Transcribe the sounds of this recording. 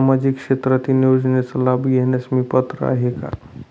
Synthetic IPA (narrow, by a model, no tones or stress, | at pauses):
amad͡ʒikʃet̪ɾat̪iniod͡ʒnesəlabɡeɦnesmipət̪ɾə̰a̰ɦeka̰